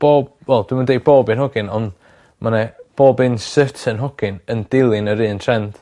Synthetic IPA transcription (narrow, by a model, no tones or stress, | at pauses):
b̥oːb̥̚wɛlˠd̥wimandejd̚b̥oːbɨnɦɔɡɪnɔnd | mʔanɛb̥oːbɨnsɨtʰənɦɔɡ̥ɪnəndɪlˠɪnəɾɨːntʰrɛnd̥